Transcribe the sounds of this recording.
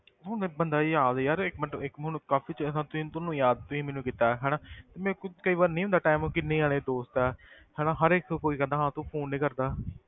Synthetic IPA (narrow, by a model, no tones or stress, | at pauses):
ɦʊ̃nebənd̪aːiaːd̪jaːɾɪkmɛʈəɪkʊnkaːfʰiːt͡ʃsãːt̪ʊĩːt̪ʊnũːjaːd̪̚t̪ʊĩːmɛːnũːkiːt̪aːɦɛːnaːt̪eːmɛ̃ːkʊkəiːʋaːɾnəĩːʊ̃nd̪aːʈaːɪmõːkɪnːẽːaːɽ̃eːd̪oːst̪ɛː | hɛːɽãːɦəɾɪkʰkoːiːkɛ̃nd̪aːɦãːt̪ũːpʰoːnːĩːkəɾd̪aː